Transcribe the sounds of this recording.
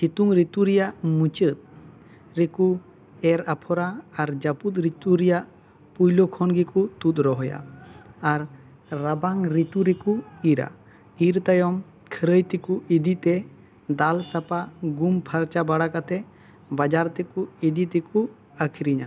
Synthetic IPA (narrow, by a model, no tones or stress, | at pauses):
t͡ʃit̪uŋɾit̪uɾijaʔmut͡ʃət̪̚ | ɾeku | ɛɾapʰɔɾaːɾd͡ʒaput̪̚ɾit̪uɾijaʔ | pujlɔkʰɔnɡikut̪ut̪̚ɾɔɦɔja̰aɾː | abaŋɾit̪uɾekuiɾa̰ | iɾt̪ajɔm | kʰəɾəjt̪ɛkuid̪it̪ɛ | d̪alsapaɡumpʰaɾt͡ʃabaɽakat̪ɛ | bad͡ʒaɾt̪ɛkuid̪it̪ɛku | əkʰiɾiɲa̰